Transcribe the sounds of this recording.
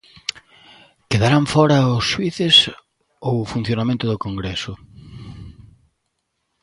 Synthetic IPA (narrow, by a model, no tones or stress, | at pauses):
keðaɾaɱfɔɾɐʊsʃwiθɪs | owʊfun̟θjonamẽnt̪ʊðʊkoŋɡɾesʊ